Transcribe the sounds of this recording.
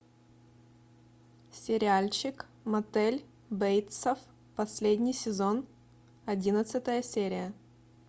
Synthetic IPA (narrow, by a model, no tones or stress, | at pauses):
sʲɪɾʲɪalʲt͡ɕɪk | mɐt̪ɛlʲ | bejt̪səf | pɐsʲlʲedʲnʲɪjsʲɪzo̞n | ɐdʲinət̪sɨt̪əjəsʲeɾʲɪjə